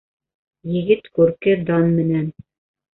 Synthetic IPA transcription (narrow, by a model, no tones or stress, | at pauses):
jɘ̆ɡɘt̪kʉɾkɘd̪ɑnmɘ̆næn